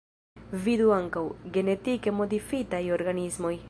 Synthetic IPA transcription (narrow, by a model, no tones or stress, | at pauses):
vid̪uaŋkawɡenet̪ikemod̪ifit̪ajoɾɡanizmoj